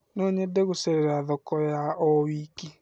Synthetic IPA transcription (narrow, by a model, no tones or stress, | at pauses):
noɲedeɣʊseɾeɾaðɔkɔjaʔɔwiːki